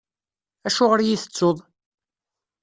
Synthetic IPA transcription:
æʃʊʁəɾjiθə̥t͡sːoðˤ

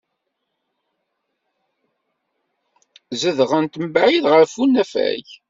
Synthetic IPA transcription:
zəðʁənt̪məbaʕiðʁəɾfunːæfæ̰j

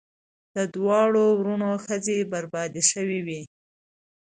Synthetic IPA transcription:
d̪̥əd̪wɑɽowɾunoxəzebaɾbɑd̪iʃəwiwi

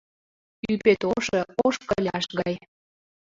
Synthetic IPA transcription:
ypet̪oʃɤoʃkəlʲɑʃɣɑj

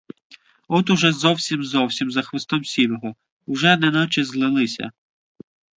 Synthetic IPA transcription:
ɔt̪ʊʒɛzɔwsʲimzɔwsʲimzɐxʋɪst̪ɔmsʲiwɔɦɔ | ʊʒɛnɛnɔt͡ʃɪzlˠɪlˠɪsʲɐ̰

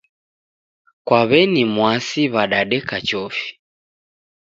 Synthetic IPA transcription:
kwaβɛnimwasiβaɗaɗɛkat͡ʃɔfi̥

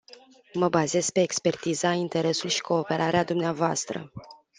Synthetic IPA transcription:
məbaze̞z̥pe̞ːkspe̞rt̪izaint̪e̞ɾe̞sulʃi̥kʰo̞ːpe̞ɾʔaɾead̪umneavoast̪ɾə̰

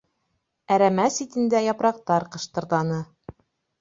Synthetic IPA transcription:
æɾæmæsit̪ɘ̆nd̪æjɒpɾɑq̚t̪ɑɾqɤ̆ʃt̪ɤ̆ɾðˠɑnɤ

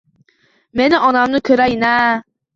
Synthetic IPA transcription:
meniɒnamnɯkʰɯɾajinæ

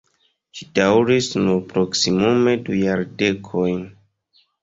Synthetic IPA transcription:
ʃidawɾisnuɾpɾo̞ksimume̞dujaɾde̞kʰo̞jn

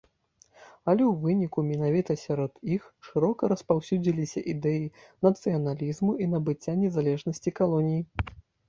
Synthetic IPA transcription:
ɐlʲɛwvɨnʲikumʲinavʲit̪ɐsʲaɾɔd̪ixʂɨɾɔkɐɾɐspawsʲud͡zʲilʲisʲɐʔid̪ɛjinɐt̪sɨjɐnalʲizmuinɐbɨt͡sʲːanʲɛzalʲɛʐnɐsʲt͡sʲikalˠɔnʲiji

